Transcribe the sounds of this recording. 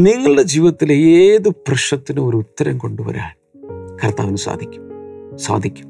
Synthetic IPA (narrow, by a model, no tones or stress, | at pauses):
niŋːɐɭɨɽed͡ʑiːʋɐt̪ːileeːðɨprɐʂɐt̪ːinɨo̞ɾuut̪ːɐɾɐmko̞ɳɖuʋɐ̰ɾa̰ːɭ | kɐrt̪a̰ːʋinɨsa̰ːd̪ʱikʲːu̥msa̰ːd̪ʱikʲːu̥m